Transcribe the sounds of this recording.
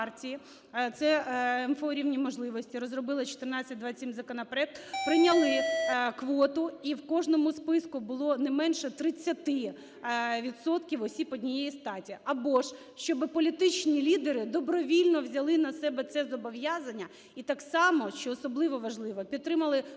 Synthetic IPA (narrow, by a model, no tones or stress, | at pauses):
rtʲiji | t̪sɛɛnfɔɔɾʲiwnʲimɔʒlˠɪʋɔsʲtʲiɾɔzrɔbɪlˠɪt͡ʃɔ̥t̪ernɑt͡sʲːɐt̚ʲd̪ʋɑsʲimzɐkɔnɔpeɾɛk̚t̪pɾɪnʲɐlˠɪkʋɔt̪ʊiwkɔʒnɔmʊspɪskʊbʊlˠɔnɛmɛnʃɛt̪ɾɪt͡sʲːɐt̪ɪ | ʋʲit̪sɔt̪kʲiwɔsʲipɔdʲnʲijɛjist̪ɑtʲiɐbɔʃ | ʃt͡ʃɔbɪpɔlʲit̪ɪt͡ʃnʲilʲid̪eɾɪd̪ɔbɾɔʋʲilʲnɔwzʲɐlˠɪnɐsɛbɛt̪sɛzɔbɔʋjɑzɐnʲːɐ | it̪ɑksɑmɔʃt͡ʃɔːsɔblˠɪʋɔʋɐʒlˠɪʋɔpʲid̪̚t̪ːɾɪmɐlˠɪ